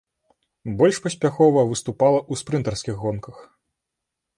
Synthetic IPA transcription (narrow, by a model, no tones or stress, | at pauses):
bɔlʲʂpɐsʲpʲaxɔvɐvɨst̪upalˠɐʔuspɾɨnt̪ɐrskʲiɣːɔnkɐx